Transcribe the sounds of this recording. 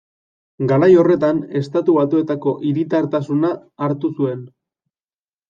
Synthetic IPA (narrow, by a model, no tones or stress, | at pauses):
ɡaɾajo̞re̞t̪ane̞st̪at̪uβat̪ue̞t̪ako̞ʔiɾit̪aɾt̪asunaːɾt̪usue̞n